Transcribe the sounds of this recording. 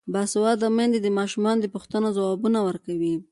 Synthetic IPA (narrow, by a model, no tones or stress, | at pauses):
baswad̪amand̪ed̪əmɑʃumɑnod̪əpuxt̪ənozawɑbunawəɾkawi